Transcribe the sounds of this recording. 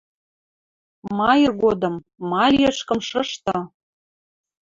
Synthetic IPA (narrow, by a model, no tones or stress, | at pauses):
mɑjərɣod̪ɤ̆mː | ɑlʲiəʃkə̆mʃɤ̆ʃt̪ɤ̆